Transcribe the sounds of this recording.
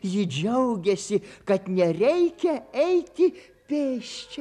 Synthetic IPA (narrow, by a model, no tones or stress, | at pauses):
jɪd͡ʒʲɛʊɡʲɛsʲɪkɐt̪nʲɛɾʲɛɪkʲɛɛɪt̪ʲɪ | pʲeːʃʲt͡ʃʲɛ